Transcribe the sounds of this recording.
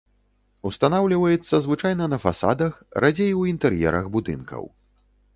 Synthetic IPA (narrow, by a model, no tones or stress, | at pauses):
ust̪anawlʲivɐjɛt̪sːɐzvɨt͡ʂajnɐnɐfa̰sa̰d̪ɐxɾʔad͡zʲejwint̪ɛɾjɛ̰ɾɐ̰ɣbud̪ɨ̰nkɐ̰w